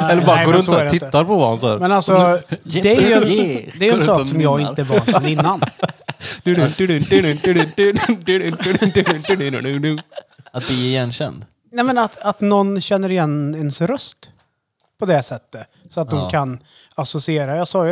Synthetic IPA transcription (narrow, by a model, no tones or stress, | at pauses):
ɛlːəɾɑːɾɾɾsoːɛɾɛɪɪt̪əːaɾpʰɔvahansɑ̰ːɾmɛnalsɔdd̪ɛæɾjɛd̪ɛɾjɛnsɑːkːsɔmjɑːɡɪnt̪əvɑllɪnːan | d̪ʉt̪d̪t̪ | t̪ʉnʉnʉat̪̚d̪ɪjɛnɕɛ̰nd̪ | nɛmɛnat̪at̪nɔnɕɛnːəɾɪjɛnɛnsɾœst̪ | pʰɔd̪ɛsɛt̪ːə | sɔat̪̚d̪ɔmkʰan | asɔsɪeːɾajɑsɑːj